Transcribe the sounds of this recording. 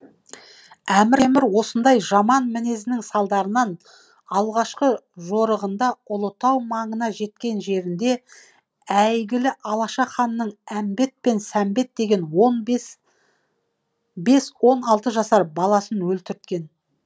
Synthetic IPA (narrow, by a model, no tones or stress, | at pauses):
æmɪɾemɪɾwo̞sənd̪ɑjʒɑmɑnmɪne̞zɪnɪŋsɑlˠd̪ɑɾənɑn | ɑlˠʁɑʃqəʒo̞ɾəʁənd̪ɑʊlˠət̪ɑwmɑɴənɑʒe̞t̪̚kʲe̞nʒe̞ɾɪnd̪e̞ | æjɡʲɪlɪʔɑlˠɑʃɑχɑnːəɴæmbe̞t̪̚pe̞nsæmbe̞t̪̚d̪e̞ɡʲe̞nwon | be̞swo̞nɑlˠt̪əʒɑsɑɾbɑlˠɑsənwɵlt̪ʏɾt̪kʲe̞n